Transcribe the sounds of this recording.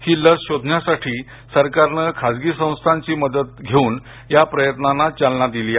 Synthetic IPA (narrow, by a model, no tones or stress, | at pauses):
hiːləsɕod̪ʱnjasaʈʰiː | səɾkaɾnəkʰad͡zɡiːsə̃w̃st̪ʰaɲt͡ɕiːməd̪ət̪̚ɡʱeuːn | japɾəjət̪nanːat͡salnad̪iliː